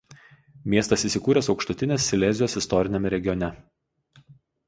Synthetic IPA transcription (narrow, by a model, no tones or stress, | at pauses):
mʲiɛst̪ɐsiːˑsʲɪkuːɾʲɛsɒʊkʃt̪ʊt̪ʲɪnʲesːʲɪlʲɛzʲɪjoːsɪst̪ɔɾʲɪnʲɛmʲɛɾʲɛɡʲɪjɔnʲɛ